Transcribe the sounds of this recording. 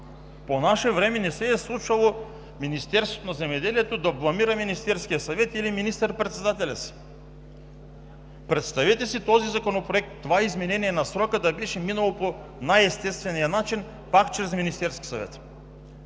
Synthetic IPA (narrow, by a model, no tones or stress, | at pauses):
ponaʃɛvɾɛmɛnɛsɛːslˠut͡ʃalˠo | minist̪ɛɾst̪vot̪onazɛmɛd̪ɛlijɛt̪od̪aplˠamiɾaminist̪ɛɾskijasavɛt̪iliminist̪ɛɾpɾɛt̪sɛd̪at̪ɛlʲasi̥ | pɾɛt̪st̪avɛt̪ɛsit̪ɔzizakonopɾoɛk̚t̪ːovaizmɛnɛnijɛnasɾɔkəd̪abɛʃɛminalˠopo | najɛst̪ɛst̪vɛnijanat͡ʃin | pakt͡ʃɾɛzminist̪ɛɾskʲi̥sa̰vɛ̰t̪